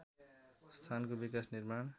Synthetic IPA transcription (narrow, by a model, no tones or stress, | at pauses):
st̪ʰankobikasnirmaɳ